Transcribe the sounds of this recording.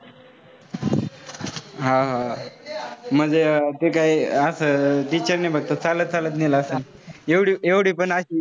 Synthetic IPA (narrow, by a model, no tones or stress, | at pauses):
ɦãɦa | m̤əd͡zet̪ekaiəsəːʈit͡ɕəɾnebʱəɡ̚t̪ət͡salət̪̚t͡salət̪neləsən | eʋɽiːeʋɽiːpəɳəɕiː